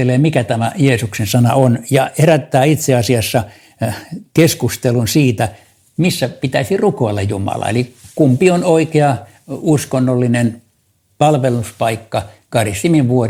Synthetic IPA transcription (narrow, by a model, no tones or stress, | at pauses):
eleːmikæt̪æmæ̰jeːsuksensɑnɑ̰onjɑheræt̪ːæːit̪seɑsiɑsːɑ | keskust̪elunsiːt̪æ | misːæpit̪æisirukoilːɑjjumɑ̰lɑ̰ḛlikumpionoikeɑ | uskonːolːinen | pɑlʋeluspɑikːɑkɑrist̪imiʋʋuor